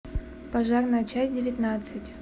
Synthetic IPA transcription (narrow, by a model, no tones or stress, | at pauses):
pɐʐarnəjət͡ɕæs̚ʲdʲɪvʲɪt̪nat̪sɨtʲ